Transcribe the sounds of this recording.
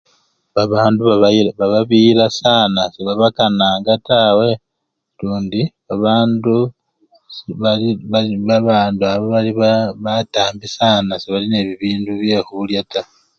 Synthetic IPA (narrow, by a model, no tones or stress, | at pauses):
βaβaːnduβaββaβaβiːɾasaːnaseβaβakanaːŋɡatawe̞ | luːndi | aβaːndu | sβaiβaβaβaːnduaβoβaliβaβataːmbisaːnaseβaline̞ːβiβiːnduβje̞ːxuljata